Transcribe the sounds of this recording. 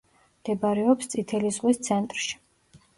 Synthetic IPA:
md̪̥ɛbaɾɛɔpst̪sʼit̪ʰɛlizʁwist̪sʰɛnt̪ʼɾʃi̥

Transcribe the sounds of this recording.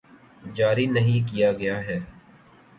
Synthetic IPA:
d͡ʒaːɾinɐɦĩk̬ijaɡɐjaɦɛː

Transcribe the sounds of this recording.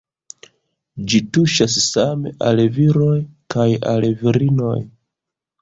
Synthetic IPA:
d͡ʒituʃassame̞̰ʔalviɾo̞jkʰaja̰lviɾino̞j

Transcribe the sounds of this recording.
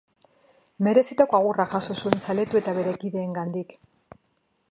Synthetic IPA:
me̞ɾe̞sit̪akoaɣ̞uraʝaso̞sue̞nsale̞t̪ue̞t̪aβe̞ɾe̞kiðe̞ːŋɡand̪ik

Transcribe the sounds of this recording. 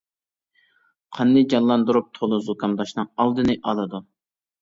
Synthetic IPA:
qʰɑnːɨd͡ʒɑnlˠɑnd̪uɾup̚t̪ʰolˠuzukɑmd̪ɑʃnɨŋɑlˠd̪ɨnɨʔɑlˠɨd̪u

